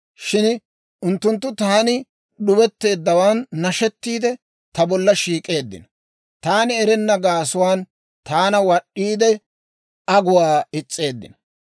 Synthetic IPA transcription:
ʃɪn | ʔʊnt̪ːʊnt̪̬ːʊt̪aːnɪ | ɗʊbɛt̪ːe̞ːd̪ːɐwaːnːɐʃɛt̪ːiːd̪ɛ | t̪ɐbɔlːɐʃiːkʼe̞ːd̪ːɪ̰nɐ | t̪aːnɪɛɾɛnːɐɡaːsʊwaːn | t̪aːnɐwɐɗːiːd̪ɛ | ɐɡʊwaːɪt͡sʼːe̞ːd̪ːɪ̰nɐ

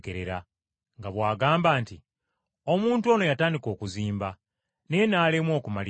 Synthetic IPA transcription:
keɾeɾa̰ | ŋɡaβwaːɡaːmbaːnti | o̞muːntuo̞no̞jataːndiko̞ːkuziːmba | nenaːlemwo̞ːkumali

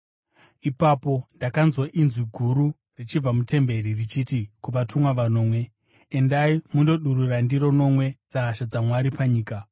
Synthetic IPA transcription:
ipapo̞ndakanzwoʔinzwiɡʱuɾu | rit͡ʃib͡vamute̞mbe̞ririt͡ʃitikuʋatʰumwaʋano̞ːmwe̞ | endaimundo̞ɗururandiɾo̞no̞mwe̞d͡zaːʃad͡zamwaɾipaɲiːka

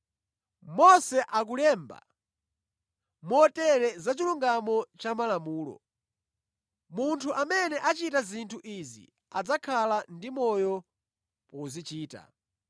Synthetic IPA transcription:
mɔsɛʔak̬ulɛːmba̰ | mɔtɛɾɛzat͡ʃiluŋɡamɔt͡ʃamalamuːlɔ̰ | muntʰuʔamɛnɛʔat͡ʃitazintʰuʔizḭ | ad͡zakʰalandimɔjɔ | pɔuzit͡ʃiːta̰

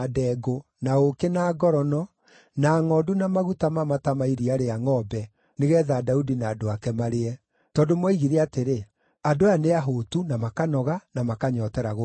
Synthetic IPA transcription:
dɛːɡo | naokenaːɡɔɾɔnɔ | naːŋɔdunamaɣutamamatamaiɾiaɾeaŋɔbɛ | neɣɛːðaːdaudinaːdoakɛmaɾeɛ | tɔːdomwɔiɣiɾeateɾe | adoaneaɦoːtunamakanɔɣanamakaɲɔːtɛɾaɣo

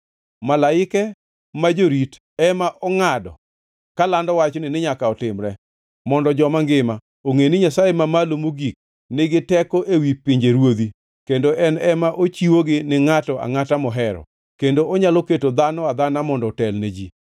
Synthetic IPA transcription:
malaɪkɛ | mad͡ʒoɾit | ɛmaʔɔŋadɔ̰ | kalandɔwat͡ʃnɪnɪɲakaɔtɪmɾɛ | mɔndɔd͡ʒɔmaŋɡɪma | oŋeniɲasajemamalomoɡik̚ | nɪɡɪtɛkɔʔewipɪɲd͡ʒeɾwod̪i | kendoʔɛnɛmaʔot͡ʃiwoɡɪnɪŋatɔʔa̰ŋatamɔɦɛɾɔ̰ | kendoɔɲaloketod̪anɔad̪anamɔndɔtɛlned͡ʒi

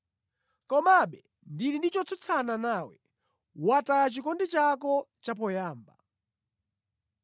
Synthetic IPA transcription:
kɔmaɓɛ | ndinindit͡ʃɔt͡sʰɔt͡sʰananawɛ | watat͡ʃikɔndit͡ʃakɔt͡ʃap̬ɔjaːmba̰

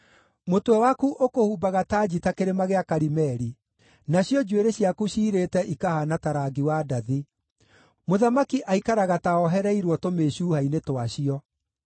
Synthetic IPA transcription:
motwɛwakuʔokohubaɣataːd͡ʑitakeɾemaɣeakaɾimɛɾi | naɕjɔd͡ʒweɾeɕjakuɕiːɾetɛʔikahanataɾaɡiwadaði | moðamakiʔaikaɾaɣataɔɦɛɾɛiɾwɔtomeːɕuːhainetowaɕiɔ

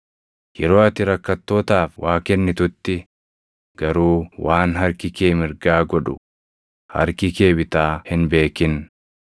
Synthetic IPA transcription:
jɛɾo̞ːɐt̪ɪɾɐkːɐt̪ːo̞ːt̪aːfwaːkɛnːɪt̪ʊt̪ːɪ | ɡ̥ɐɾuːwʔaːnɦɐɾkɪke̞ːmɪɾɡaːɡɔᶑʊ̰ | hɐ̰ɾkɪke̞ːbɪt̪aːhɪnbe̞ːkɪn

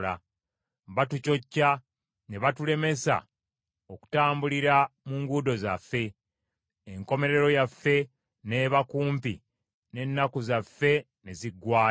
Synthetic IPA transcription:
la̰ | βatuco̞cːa | ne̞βatule̞me̞sa̰ | o̞ku̥taːmbuliɾamuːŋɡudo̞zafːe̞ː | ŋko̞me̞ɾe̞ɾo̞jafːe̞ | ne̞ːβakuːmpi | ne̞nːakuzafːe̞ | ne̞ziɡwaː

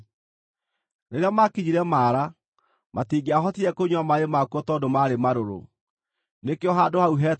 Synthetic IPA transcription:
neɾeamakiɲiɾɛmaːɾa | matiɡeaɦɔtiɾɛkoɲwamaemakwɔtɔːdomaɾemaɾoɾo̰ | nekeɔɦadohauɦɛ

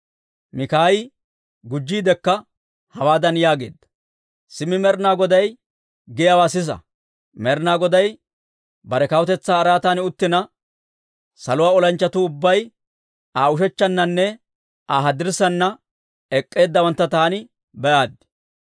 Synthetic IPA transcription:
mɪkaːjɪ | ɡʊd͡ʒːiːd̪ɛkːɐ | hɐwaːd̪ɐnjaːɡe̞̰ːd̪ːɐ̥ | sɪmɪmɛɾnaːɡɔd̪ɐj | ɡɛjawaːsɪs̬ɐ̰ | mɛɾnaːɡɔd̪ɐj | bɐɾɛkɐwʊt̪ɛt͡sːaːɾaːt̪aːnɪʊt̪ːɪnɐ | sɐlʊwaːɔlɐnt͡ʃːɐt̪ʊʊbːɐj | aːʊʃɛt͡ʃːɐnːɐnːɛ | aːɦɐd̪ɪɾsɐnːɐ | ɛkʼːe̞ːd̪ːɐwɐnt̪ːɐt̪aːnɪ | bɛʔaːd̪ːɪ̥

